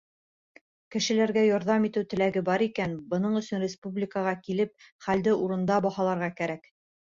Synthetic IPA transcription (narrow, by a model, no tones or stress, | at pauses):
kɘ̆ʃɘ̆læɾɡæjɑɾðɑmit̪ɘwt̪ɘ̆læɡɘbɑɾikænbɤ̆nɤɴɵ̆sɵnrʲɪspublʲikəʁɑkilɘp̚χæld̪ɘʔuɾɤ̆nd̪ɑbɑhɑlˠɑɾʁɑkæɾæk